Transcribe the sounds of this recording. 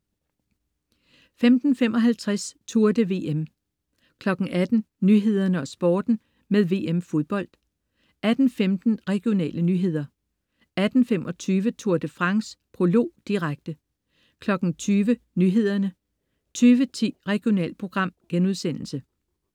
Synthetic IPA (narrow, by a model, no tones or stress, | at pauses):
femd̥n̩femɒ̽ɦælt͡sʰʁast͡sʰuɐd̥əʋe̝̰ːem | kʰlɒ̽ɡ̥ŋ̩ʔæd̥n̩ | nyɦe̝ð̰ˠɐnəɒ̽sb̥ɒːd̥n̩ | meðˠʋe̝̰ːemfo̝ðˠb̥ɒ̽l̰d̥ | æd̥n̩femd̥n̩ʁɛɡ̥io̝nɛ̰ːlənyːɦe̝ð̞̰ˠɐ | æd̥n̩femʔɒ̽t͡sʰyːʋət͡sʰuɐd̥əfʁɑ̈ŋspʰʁo̝lo̝̰ːd̥iʁaɡ̥̚d̥ə | kʰlɒ̽ɡ̥n̩t͡sʰyːʋə | nyːɦe̝ð̞̰ˠɐnə | t͡sʰyːʋət͡sʰḭːʁɛɡ̥io̝nɛ̰ːlpʰʁo̝ɡ̥ʁɑ̈m̰ɡ̥enuðˠsen̰l̩sə